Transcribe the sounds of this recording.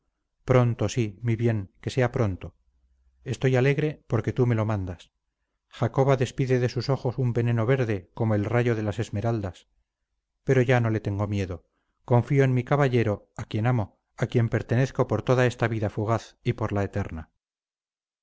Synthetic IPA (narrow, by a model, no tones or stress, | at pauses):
pɾo̞nt̪osimiβje̞ŋke̞se̞apɾo̞nt̪o̞ | e̞st̪o̞jale̞ɣɾe̞poɾke̞t̪ume̞lo̞mãnd̪as | xako̞βaðe̞spiðe̞ðe̞suso̞xo̞sumbe̞ne̞no̞βe̞ɾðe̞ko̞moe̞lraʝo̞ðe̞lase̞zme̞ɾald̪as | pe̞ɾo̞ʝano̞le̞t̪e̞ŋɡo̞mje̞ðo | ko̞ɱfio̞enmikaβaʎe̞ɾo̞ | akje̞namo | akje̞mpe̞ɾt̪e̞ne̞θko̞po̞ɾt̪o̞ðae̞st̪aβiðafuɣaθipo̞ɾlaet̪e̞ɾna